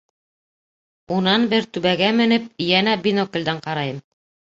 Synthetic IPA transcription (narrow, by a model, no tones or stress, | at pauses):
unɑnbɘɾt̪ʉβæɡæmɘ̆nɘp̚jænæbinokĕld̪æɴqɑɾɑjɤm